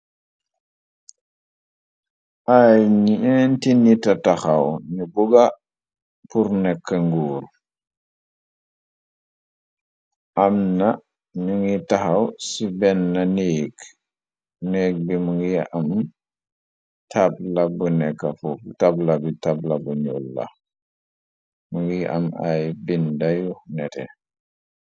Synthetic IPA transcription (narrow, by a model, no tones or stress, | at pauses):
ʔajɲiɛntinitɐtaxawɲubuɡa | puɾnɛkːəŋɡuːɾ | ʔamna | nuŋɡitaxawsibɛnːaneːk | nɛːɡ̚bimuŋɡiam | tʰab̚labunɛkːafutablabitablabuɲulːa̰ | muŋɡiʔa̰majbindajunɛtɛ̰